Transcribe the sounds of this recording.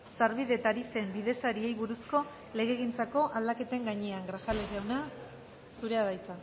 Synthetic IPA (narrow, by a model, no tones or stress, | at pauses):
saɾβiðe̞t̪aɾise̞mbiðe̞saɾie̞jβuɾusko̞ | le̞ɣe̞ɣint͡sako̞ʔald̪ake̞t̪e̞ŋɡaɲeaŋɡɾasale̞zʝawna | suɾe̞aðajt͡sa